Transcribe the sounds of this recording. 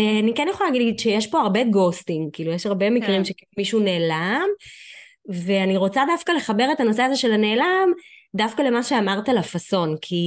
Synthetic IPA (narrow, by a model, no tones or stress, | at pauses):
eanikɛnjeχolalaɡididʃejeʃpo̞aʁbe̞ɡo̞stimkiːlujeʃaʁbe̞mikʁimʃekiumiʃune̞ːlam | ve̞aniʁo̞t͡sadafkale̞χabe̞ʁet̪anoseazeʃe̞lane̞ːlamdafkale̞maʃeamaʁt̪alafaso̞nkʰi